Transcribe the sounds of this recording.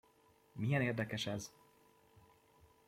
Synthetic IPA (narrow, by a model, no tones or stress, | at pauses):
mijɛneːrd̪ɛkɛʃɛz